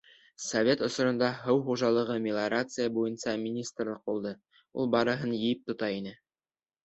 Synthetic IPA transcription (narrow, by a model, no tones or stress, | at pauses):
sɐvʲet̪ŏsŏɾɤ̆nd̪ɑɦɤwχuʒɑlˠɤ̆ʁɤmʲɪlˠaɾat̪sɨjəbujɤnsɑmʲinʲist̪rlˠɤq̚bulˠd̪ɤ | ṵlˠbɑɾɤ̆ɦɤnjɘjɘp̚t̪ŏt̪ɑinɘ